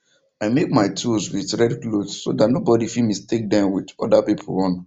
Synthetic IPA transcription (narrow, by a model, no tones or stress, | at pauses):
aɪmek̚maɪtʰulswitɹɛdklodsodatnobɔdifilmistek̚dãmwidɔdapipʰo̰ɔ̃n